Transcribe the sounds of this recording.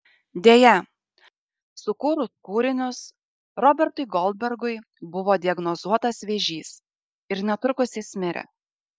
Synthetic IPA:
d̪ʲeːjɛ | sʊkuːɾʊkuːɾʲɪnʲʊs | ɾɔːbʲɛɾt̪ʊɪɡɔlˠd̪̚ʲbʲɛɾɡʊɪ | bʊʋoːd̪ʲɪɐɡnɔzuɔt̪ɐsʋʲeːʒʲiːs | ɪɾnʲɛt̪ʊkʊsʲɪsʲmʲɪɾʲɛ̰

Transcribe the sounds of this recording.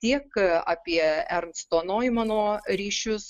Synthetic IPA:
t̪ʲiɛkɑːpʲiɛɛɾmst̪oːnoːɪmɑːnoːɾʲiːʃʲʊs

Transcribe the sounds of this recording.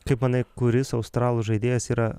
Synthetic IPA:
kɐɪpmɐnɐɪkʊɾʲɪsɐʊst̪ɾɑːlˠʊʒɐɪd̪ʲeːjɛsiːɾɐ

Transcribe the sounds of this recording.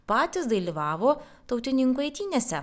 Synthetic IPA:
pɑːt̪ʲɪsd̪ɐlʲiːʋɑːʋoː | t̪ɐʊt̪ʲɪnʲɪŋkuɐɪt̪ʲiːnʲesʲɛ

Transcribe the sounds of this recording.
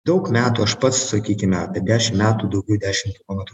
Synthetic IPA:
d̪ɒʊkmʲæːt̪uːɐʃpɐt̪ssɐkʲiːkʲɪmʲɛt̪ʲɐd̪ʲæːʃʲɪmmʲæːt̪uːd̪ɒʊɡʲɛʊd̪ʲæːʃʲɪmt̪ʲɪlˠoːmʲɛt̪ɾu

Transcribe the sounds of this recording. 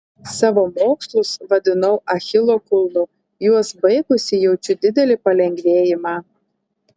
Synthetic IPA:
sɑːʋoːmoːkslˠʊsʋɐd̪ʲɪnɐʊʔɐxʲɪlˠoːkʊlˠnʊ | juɔsbɐɪɡʊsʲɪjɛʊt͡ʃʲʊd̪ʲɪd̪ʲɛlʲɪpɐlʲɛŋʲɡʲʋʲeːjɪmɑː

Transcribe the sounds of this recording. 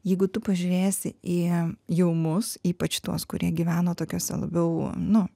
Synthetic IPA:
jɛɪɡʊt̪ʊpɐʒʲʊːɾʲeːsʲɪijɛʊmʊsiːpɐt͡ʃt̪uɔskʊɾʲiɛɡʲiʋʲæːnoːt̪oːkʲoːsʲɛ̰lˠɐ̰bʲɛʊnʊ

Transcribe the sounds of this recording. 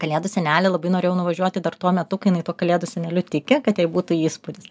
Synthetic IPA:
kɐlʲeːd̪ʊsʲɛnʲæːlʲɛlˠɐbɐɪnoːeːjʊnʊʋɐʒʲuɔt̪ʲɪd̪ɐrt̪uɔmʲɛt̪ʊkɪjɪnɐɪt̪uɔkɐlʲeːd̪ʊsʲɛnʲɛlʲʊt̪ʲɪkʲɪkɐt̪jɛɪbuːt̪uːiːspʊd̪ʲɪs

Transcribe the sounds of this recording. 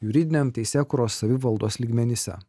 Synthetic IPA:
jʊɾʲɪd̪ʲɪnʲemt̪ʲɛɪsʲeːkuːɾoːsːɐʋʲɪʋɐlˠd̪oːslʲiːɡmʲɛnʲɪsʲɛ̰

